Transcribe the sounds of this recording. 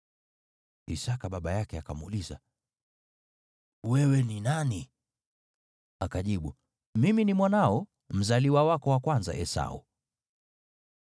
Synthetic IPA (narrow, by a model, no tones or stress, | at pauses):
ḭsakaɓaɓajakɛakamuliza̰ | wɛwɛninani | akaʄiɓu | miminimwanaɔ | m̩zaliwawakɔwakwanza̰ʔɛsa̰ṵ